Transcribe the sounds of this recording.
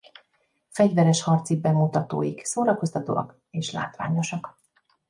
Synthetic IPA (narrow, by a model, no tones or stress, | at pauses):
fɛɟvɛɾɛʃhɒrt̪siɡ̚bɛmːut̪ɒt̪o̰ːjiksoːɾɒko̞st̪ɒt̪o̰ːɒ̰k | eːʃla̰ːt̪ʋa̰ːɲo̞ʃɒk